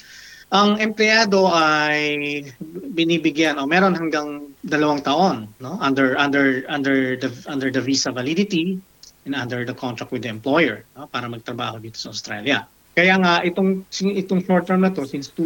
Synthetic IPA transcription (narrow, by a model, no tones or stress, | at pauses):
ʔɐŋɛmplɪjaːd̪o̞ʔaj | bɪniːbɪɡjanʔomɛːɾonɦɐŋɡɐŋd̪ɐlɐwaŋt̪ɐʔo̞nːo̞ʔɐnd̪ɛɹʔɐnd̪ɛɹʔɐnd̪ɛɹd̪ɐʔɐnd̪ɛɹd̪ɐviːsɐvɐlid̪ɪt̪i | ʔɛnɐnd̪ɛɹd̪ɐkʰont̪ɾɐk̪̚wɪd̪ɐɛmplo̞jɛɹno̞paːɾɐmɐɡ̚t̪ɾɐba̰ːho̞d̪iːt̪o̞̥sɐʔʊwst̪ɾa̰ljɐ̰ | kɐjaːŋɐʔɪt̪oŋsɪʔɪt̪oŋʃoɹt̪ːɛɹmnɐt̪o̞sɪnst̪u